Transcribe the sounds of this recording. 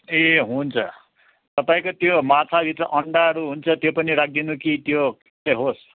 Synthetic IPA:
eɦunt͡sʰʌ | t̪ʌpaĩkot̪jomat͡sʰabʱit̪rʌʔʌɳɖaɦʌɾuɦunt͡sʰʌt̪jopʌniɾak̚ʰd̪inukit̪jok | t͡sʌjɦos

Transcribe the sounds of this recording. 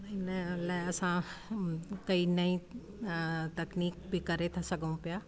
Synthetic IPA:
ɪnəlaeɐsã | kɐinɐĩ | t̪ɐkniːk̚bʱikɐɾet̪ʰasɐɡəũpijaː

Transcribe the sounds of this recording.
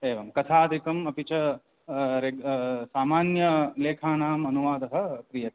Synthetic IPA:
eːʋɐmkɐt̪ʰaːd̪ʱikɐmɐpit͡ʃɐ | ɾesaːmaːnjɐleːkʰaːnaːmɐnuʋaːd̪ɐɦɐ̆kɾijɐ

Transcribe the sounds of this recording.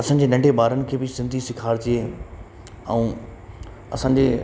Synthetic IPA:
ɐsãːɲ̆d͡ʑeːnɐ̃ɳɖʱeɓaːɾənɪ̆kʰeːbɪsɪ̃nd̪ʱisɪkʰaːɾt͡ɕie | ɛ̰ũː | ɐ̰sãːɲ̆d͡ʑeː

